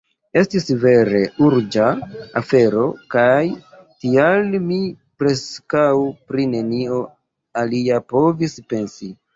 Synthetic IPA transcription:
estisve̞ɾe̞uɾd͡ʒaafe̞ɾo̞kajtialmi | pɾe̞skawpɾine̞nio | aliapo̞vispe̞nsi

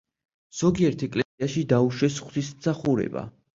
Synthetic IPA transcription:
z̥ɔɡiɛɾt̪ʰɛkʼlɛsiaʃid̪auʃɛsχwt̪ʰismsaχuɾɛ̰ba̰

